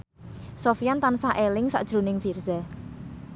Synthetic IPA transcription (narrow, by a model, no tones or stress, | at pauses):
sofijant̪ansaʔelɪŋsa̰ʔd̥ʒ̥ɾunɪŋfirza